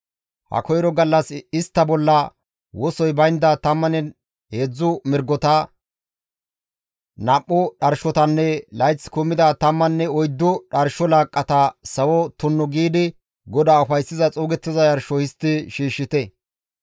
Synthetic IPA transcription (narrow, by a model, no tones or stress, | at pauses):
hɐ̰kɔjɾɔɡɐlːɐsɪst̪ːɐbɔlːɐ | wɔsɔjbɐjnd̪ɐt̪ɐmːɐnɛ | heːd͡zːʊmɪɾɡɔt̪ɐ | napʼːʊɗɐɾʃɔt̪ɐnːɛlɐjt͡sːkʊmːɪd̪ɐt̪ɐmːɐnːɛɔjd̪ːʊɗɐɾʃɔlaːkʼːɐt̪ɐsɐwɔt̪ʊnːɔɡiːd̪ɪ | ɡɔd̪aːʊfɐjsːɪzɐt͡sʼuːɡɛt̪ːɪzɐjɐɾʃɔhɪst̪ːɪʃiːʃːɪt̪ɛ